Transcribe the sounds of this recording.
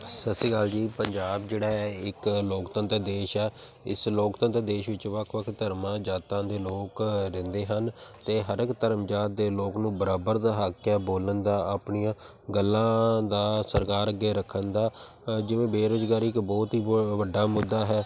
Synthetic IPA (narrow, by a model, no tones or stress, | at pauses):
səsiːɡaːld͡ʒiːpəɲd͡ʒaːbd͡ʒeːɽaːɪkloːkt̪ə̃nt̪d̪eːʃɛːɪ̰sloːkt̪ənt̪d̪eːʃʋɪt͡ʃʋəkʰʋəkʰt̪əɾmãːd͡ʒaːt̪ãːd̪eːloːkɾɪ̃nd̪eːɦənt̪eːɦəɾəkt̪əɾəmd͡ʒaːt̪̚d̪eːloːknũːbəɾaːbəɾd̪aɦaːkjaːboːlənd̪aːaːpɳiːãː | ɡəlːãːd̪aːsəɾkaːɾəɡːeːɾəkʰənd̪aː | d͡ʒɪʋẽːbeːɾoːzɡaːɾiɪkbɔːt̪ɦiːʋəɖːaːmʊd̪ːaːɦɛː